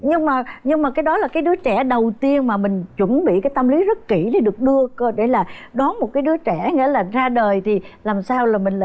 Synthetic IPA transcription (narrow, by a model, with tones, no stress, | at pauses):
ɲɨ˧ŋmaː˨˩ɲɨ˧ŋmaː˨˩kaː˨˦jɗɔ˨˦laː˨˩kaː˨˦jɗɨ˨˦ət͡ɕɛ˧˩ɗə˨˩wt̪i˧ənmaː˨˩mï˨˩ŋ̟t͡ɕwə˧˩nɓḭ˧˨kaː˨˦jt̪ə˧mli˨˦zə˦˥t̚kḭ˧˩ɗe˧˦ɗɨ˨˩ək̚ɗɨ˧əkə˧ɗe˧˩laː˨˩ɗɔ˨˦nmo˨˩t̚kaː˨˦jɗɨ˨˦ət͡ɕɛ˧˩˨ŋḭ˧˥˦laː˨˩zaː˧ɗəː˨˩jt̪ʰi˨˩laː˨˩msaː˧wlaː˨˩mï˨˩ŋ̟l